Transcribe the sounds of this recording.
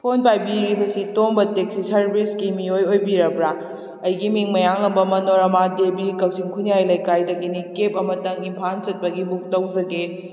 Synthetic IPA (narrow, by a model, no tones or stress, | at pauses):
pʰonpajbiɾibɐsitoŋbɐteksisɐɾbiskimiojojbiɾɐbɾa | ɐjɡimiŋmɐjaŋlɐmbɐmɐnoɾɐmadebikɐk̚siŋkʰunjajlɐjkajdɐɡinikep̚ɐmɐtɐŋimpʰant͡ʃɐt̚pɐɡibuk̚tɐwd͡ʒɐɡe